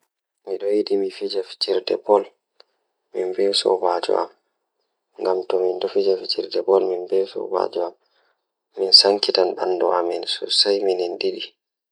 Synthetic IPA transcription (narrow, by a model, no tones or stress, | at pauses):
miɗɔjiɗimifid͡ʒafi̥t͡ʃiɾdɛ̰bɔl | minbɛwsɔ̰bad͡ʒɔ̰ʔa̰m | ŋɡamtɔmindɔfid͡ʒafit͡ʃiɾdɛbɔlminbɛwsɔ̰ba̰d͡ʒɔamː | insaŋkitanɓandɔʔaminsɔ̰sajminindiɗi